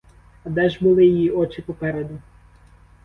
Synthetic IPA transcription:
ɐd̪ɛʒbʊlˠɪjijiɔt͡ʃɪpɔpɛɾed̪ʊ

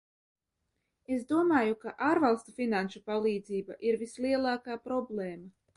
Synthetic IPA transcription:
esd̪uɔmaːjukaʔaːɾvalˠst̪ufinanʃupalˠiːd̪ziːbaʔiɾvisliɛlˠaːkaːpɾɔbleːma

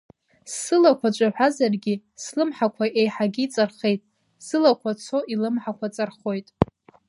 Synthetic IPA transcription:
sɨlakʷʰat͡ʃʷʼaħʷᶣazarɡʲi | slɨmħakʷʰaʔejħaɡʲit͡sʼarχe̞jtʼ | sɨlakʷʰat͡sʰo̞ʔilɨmħakʷʰat͡sʼarχo̞jtʼ

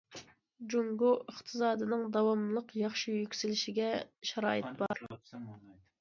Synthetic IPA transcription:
d͡ʒuŋɡuəχt̪ʰɨsɑːd̪ɨnɨŋd̪ɑwɑmlˠəqjɑχʃijykʲsɪlɪʃiɡʲɛʃɛɾɑːɨt̪̚bɑɾ

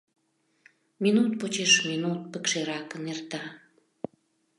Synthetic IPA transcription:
minut̪̚pot͡ɕeʃminut̪̚pə̆kʃeɾɑkənert̪ɑ

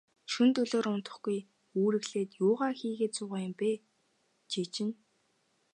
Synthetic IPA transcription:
ʃunt̪ɵɮoːɾʊn̥t̪ə̆χɡ̥uj | uːɾɘ̆ɣɮeːt̪jʊːʁaːxiːɣeːt̪̚t͡sʊːʁaːjʊ̆mpeː | t͡ɕiːt͡ɕɪ̆n

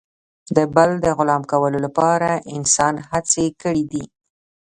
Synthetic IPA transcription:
d̪əbald̪əɣʊlɑmkawəlolapɑɾaʔɪnsɑnhat͡sekəɽid̪i

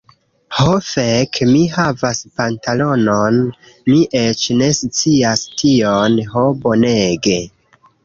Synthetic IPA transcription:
hofekmihavaspantalo̞non | miʔe̞t͡ʃne̞sut͡siastʰionɦobo̞ne̞ɡe̞

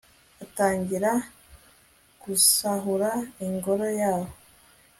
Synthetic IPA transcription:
ataːɲɟiɾa | ɡ̥usaɦuɾaiŋɡo̞ɾo̞jaːho

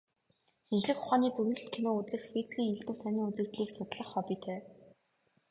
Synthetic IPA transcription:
ʃint͡ɕɮɘ̆xʊχaːniːt͡sɵɾnɘ̆ɮɬt̪̚kʰenoːut͡sɘ̆xfit͡sɡʲiːŋeɮt̪ɘ̆wsʰænʲiːŋut͡sɘ̆kt̪ɮiːksʊt̪ɮə̆χːɔpʲiːt̪ʰœː

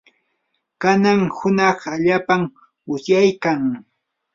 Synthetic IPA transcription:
kanaŋhʊnɑχaʎaːpam | ʊsjajkaŋ

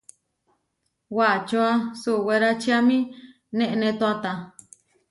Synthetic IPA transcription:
wat͡ʃoasuweɾat͡ʃiamĩ | nẽʔnẽt̪oat̪a

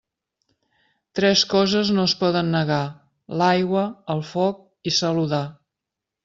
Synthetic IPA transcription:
t̪ɾɛskɔzəznoəspɔðənːəɣa | lajɣwəəlˠfɔk̚ | isəluða

